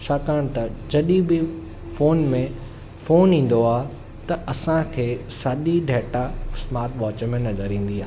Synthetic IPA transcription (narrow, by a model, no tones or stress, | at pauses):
t͡ʃʰaːkaːɽ̃t̪ɐd͡ʑɐɗĩbɪ | foːnmẽ | foːnĩːn̆d̪oaː | t̪ɐʔɐsãkʰeːsaːɗiɖʱɛːʈasmaːɾʈ̪ʋaːt͡ɕmẽnɐzəɾĩːn̆d̪iaː